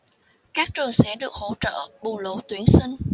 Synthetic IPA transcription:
kaː˦˥k̚t͡ɕɨ˨˩əŋsɛ̰˧˥ɗɨ˨˩ək̚ho̰˧˥t͡ɕə̰ː˧˨ɓu˨˩lo˧˦t̪wi˨˦ənsï˧ŋ̟

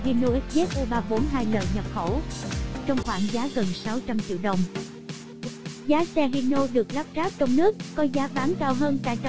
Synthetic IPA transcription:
ɦi˧no˧ʔɛ˦˥t̚ze˦˥t̚ʔo˧ɓaː˧ɓo˨˦nɦaː˧jlə̰ː˧˨jɲə˨˩t̚xo˧˩wt͡ɕɔ˧wŋ͡mxwaː˧˩ŋzaː˨˦ɣə˨˩nsa˨˦wt͡ɕa˧mt͡ɕḭ˧˩əwɗə˨˩wŋ͡m | zaː˨˦sɛ˧ɦi˧no˧ɗɨ˨˩ək̚laː˦˥p̚zaː˦˥p̚t͡ɕɔ˧wŋ͡mnɨ˦˥əkːɔ˨˦zaː˨˦vaː˨˦nkaː˧wɦəː˧nt̪a̰ː˧˩jt͡ɕ

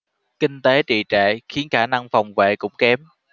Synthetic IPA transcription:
kï˧ŋ̟t̪e˨˦t͡ɕḭ˧˨t͡ɕɛ̰ː˧˨xi˨˦ənxaː˧˩na˧ŋfa˨˩wŋ͡mvḛ˧˨kʊ̰˧˥ŋ͡mkɛ˨˦m

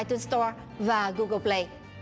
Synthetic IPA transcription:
jt̪u˧nst̪ɔ˧ɹ | vaː˨˩ɣu˧ɣə˧ple˧j

